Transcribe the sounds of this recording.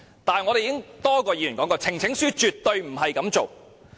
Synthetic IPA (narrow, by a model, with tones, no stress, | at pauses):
t̪aː˨n˨ŋɔ˨˧ɾe˨jiː˧˥ɪ˥ŋt̪ɔː˥kɔː˧ji˨˧jyː˨˩nkɔ˨˥kɔː˧t͡sʰɪ˨˩ŋt͡sʰɪ˨˥ŋsyː˥t͡ʃyː˨t̪̚ːɵ˧ɥm̩˨˩ɦɐ˨jkɐ˨˧˥mt͡so˨w